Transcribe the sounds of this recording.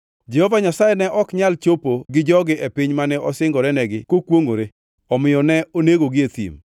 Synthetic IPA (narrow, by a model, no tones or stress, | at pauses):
d͡ʒɛhovaɲasajɛnɛʔɔkɲalt͡ʃopoɡɪd͡ʒɔɡɪʔepɪɲmanɛɔsɪŋɡɔɾɛnɛɡɪkokwoŋo̰ɾe | ɔmɪjɔnɛoneɡoɡɪet̪ḭm